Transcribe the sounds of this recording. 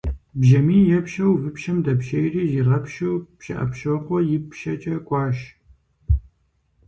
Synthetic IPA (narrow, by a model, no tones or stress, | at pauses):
bʒɐmiːjɛpʃɐwvɨpʃɐmdɐpʃɐjriːziʁɐpʃowpʃɐ̰ʔɐ̰pʃɐqʷɔjɪpʰʃɐt͡ʃʼɐkʷʼɑːʃ